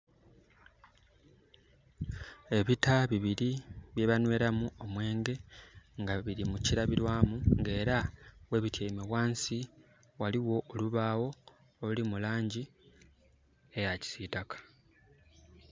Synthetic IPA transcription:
e̞βitaβiβiɾiβje̞βanwe̞ːɾamuo̞mwe̞ːŋɡe̞ŋɡaβiɾimuciɾaβiɾwaːmuŋɡe̞ːɾawe̞βitjeimeβwaːnsi | waliwo̞ʔoluβaːwo̞ː | ulimulaːɲɟi | e̞jaci̥sitakḁ

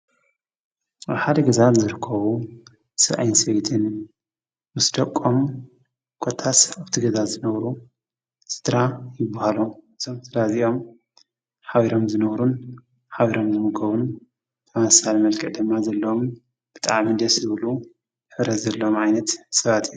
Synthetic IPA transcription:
ʔaβħad̪ɐɡɐzanzɨɾɨkʰːɐβu | sɨʔa̰jnsɐjt̪ʰɨn | wɨsd̪ɐkʼːom | kʼot̪ʰːasaβt̪ʰiɡɐzazɨnɐβɾu | sɨ̥d̪ɾajɪbːahaluɨzʰomt̪ʰɨd̪aziʔo̞m | ħaβiɾo̞mzɨnɐβɾun | ħaβiɾo̞mzɨmɨɡɐβun | t̪ʰɐmɐsalmɐlkʰɨʔd̪ɨmːazɐlːɐwom | b̥ɨt̪ʼaʕmid̪ɐszɨβɨlu | jħɨβɾɐt̪zɐlːɐomʕajnɐt̪sɐβat̪ʰijːu

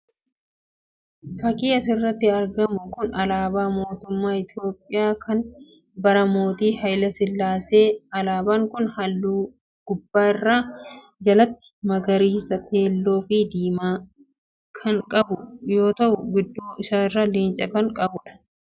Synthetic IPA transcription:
fɐkʼiːɐsɪrːɐt̪ːɪɐɾɡɐmʊkʊnɐlaːbaːmo̞ːt̪ʊmːaːɪt̪jo̞ːpʼːɪjaːkʰɐn | bɐɾɐmo̞ːt̪iːhɐjlɐsɪlːaːseːɐlaːbaːŋkʊnhɐlːuː | ɡ̥ʊbːaːɪrːaː | d͡ʒɐlɐt̪ːɪ̥mɐɡɐɾiːsɐt̪ʰe̞ːlːo̞ːfiːd̪iːmaː | kʰɐŋkʼɐbʊjo̞ːt̪ɐʔʊɡʊd̪ːoːɪsaːɪrːaːliːnt͡ʃʼɐkɐŋkʼɐbʊᶑɐ̥

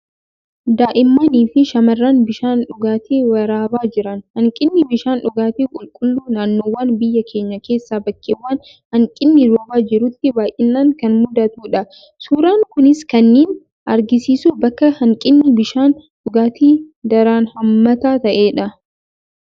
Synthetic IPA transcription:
d̪aːʔɪmːɐniːfɪʃɐmɐrːaːnbɪʃaːnᶑʊɡaːt̪ʰeːwɐɾaːbaːd͡ʒɪɾɐnhɐŋkʼɪnːɪbɪʃaːnᶑʊɡaːt̪eːkʼʊlkʼʊlːuːnaːnːoːwaːnbɪjːɐkʰe̞ːɲːɐke̞ːsːaːbɐkːewːaːn | hɐŋkʼɪnːɪɾoːbaːd͡ʒɪɾʊt̪ːɪbaːjʔɪnːaːŋkɐnmʊd̪ɐt̪uːᶑɐ | suːɾaːŋkʊnɪskɐnːeːn | ʔɐɾɡɪsiːsubɐkːɐhɐŋkʼɪnːɪbɪʃaːnᶑʊɡaːt̪iːd̪ɐɾaːnhɐmːɐt̪aːt̪ɐʔe̞ːᶑɐ

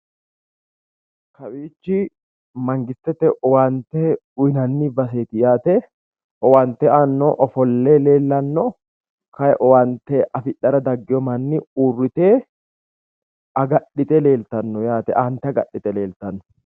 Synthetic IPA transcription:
kɐwiːd͡ʒːi | mɐŋɡɪst̪ɛt̪ɛʔɔwaːnt̪ɛ | ʊjɪnɐnːiːbɐs̬eːt̪ɪjaːt̪ɛ | ʔɔwaːnt̪ɛaːnːɔʔɔfɔlːeːle̞ːlːɐnːɔ | kɐjɛʔɔwaːnt̪eʔɐfɪᶑɐɾɐd̪ɐɡːɪɔmɐnːiuːrːɪt̪eː | ɐɡɐɗɪt̪ʼɛle̞ːlt̪ɐnːɔjaːt̪ɛʔaːnt̪ɛɐɡɐɗːɪt̪ʼɛle̞ːlt̪ɐnːɔ̥

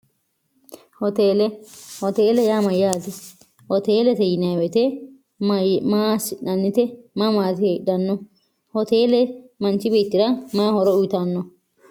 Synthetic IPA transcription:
hɔt̪eːlɛhɔt̪eːlɛjaːmɐjaːt̪ɪ | hɔt̪eːlɛt̪ɛjɪnɐjwɛt̪ɛ | maːsɪᶑɐnːɪt̪ɛmamaːt̪ɪheᶑɐnːɔ | hɔt̪eːlɛmɐnt͡ʃɪbiːt̪ːɪɾɐmaːhɔɾɔʊjɪt̪ɐnːɔ

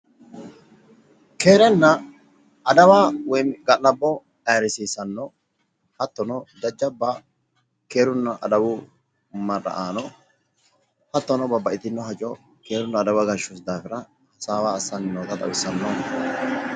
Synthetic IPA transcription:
keːɾɛnːɐ | ɐd̪ɐwaːwɔjɡɐlɐbːɔ | ɛjɾɪsiːsɐnːɔ | hɐt̪ːɔnɔd̪ɐd͡ʒːɐbːɐ | ke̞ːɾʊnːɐʔɐ̰d̪ɐwʊ | mɐrːɐ̰ʔaːnɔ | hɐt̪ːɔnɔbɐbɐʔɪt̪ɪnːɔɦɐt͡ʃʼɔ | ke̞ːɾʊnːɐːd̪ɐwaɡɐʃʊsd̪aːfɪɾɐ | hɐsaːwaːɐsːɐnːɪnoːt̪ɐt̪ʼɐ̰wɪsːɐnːoːnɐ

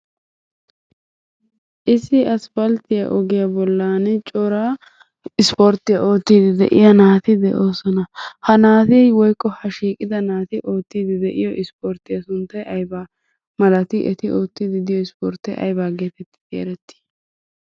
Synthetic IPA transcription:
ʔɪsɪɐsfɐlt̪ɪja̰ʔɔɡɪjabɔlːaːnɛt͡ʃʼɔɾaː | ɪspoːɾt̪ːɪjɐʔo̞ːt̪ːiːd̪ɪd̪ɛ̰ʔɪ̰jɐnaːt̪ɪd̪ɛ̰ʔo̞ːsɔnɐhɐnaːt̪iwɔjkːɔhɐʃiːkʼɪd̪ɐnaːt̪ɪʔoːt̪ːiːd̪ɪd̪ɛʔɪjɔʔɪspoːɾt̪ːɪjɐsʊnt̪ːɐjʔɐjba | mɐlɐt̪ɪʔɛt̪ɪʔo̞ːt̪ːɪd̪ɪd̪ɪjɔɪspoɾt̪ːɐjʔɐ̰jbaːɡeːt̪ɛt̪ːɪ̥tḛːɾɛt̪ːɪ̥

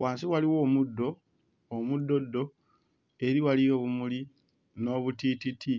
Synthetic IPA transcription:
waːnsiwaliwo̞ːmudːo̞ː | mudːo̞dːo̞ | e̞ɾiwalijoβumuli | no̞ːβutititʰi

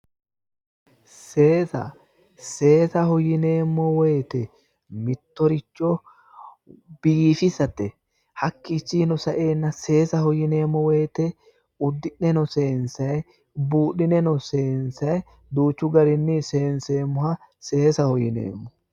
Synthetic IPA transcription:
se̞ːsɐ̰ | se̞ːsɐhɔjɪneːmːɔwejt̪ɛ | mɪt̪ːɔɾɪt͡ʃːɔ | b̥ifɪsɐt̪ːɛ | hɐkːit͡ʃːinɔsɐʔe̞ːnːɐse̞ːsɐhɔjɪne̞ːmːɔwejːt̪ɛ | ʊd̪ːɪʔɛnɔse̞ːnsɐj | buːɗɪnɛnɔseːnsɐj | d̪uːt͡ʃːʊɡɐɾɪnːɪse̞ːnse̞ːmːʊhɐ | se̞ːsɐhɔjɪnḛːmːɔ

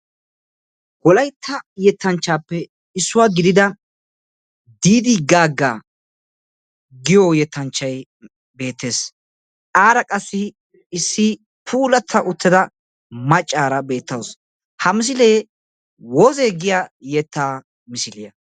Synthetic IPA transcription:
wɔlɐjt̪ʰːɐjɛt̪ʰːɐnt͡ʃːaːpːɛ | ɪsːʊwaːɡɪd̪ɪd̪ɐ | d̪iːd̪ɪɡaːɡːaː | ɡɪjɔjɛt̪ːɐnt͡ʃːɐj | be̞ːt̪ːe̞ːs | aːɾɐkʼɐsːɪ | sːɪ | pʰuːlɐt̪ʰːɐʔʊt̪ːɪd̪ɐ | mɐt͡ʃʼːaːɾɐbe̞ːt̪ːɐws | hɐmɪs̬ɪleː | woːzeːɡɪjaːjɛt̪ʰːaː | mɪsɪlɪjɐ

